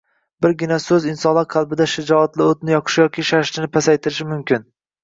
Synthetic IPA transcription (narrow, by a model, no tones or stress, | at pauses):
bɪɾɡʲɪnasɵzɪnsɒnlˠaɾqʰɑlˠbɪd̪aʃɪd͡ʒɒat̪lɪot̪nɪjɒqʰɨ̥ʃjɒkʲiʃaʃlɪnɪpʰasajt̪ʰɪɾɪʃɪmʊmkʲɪn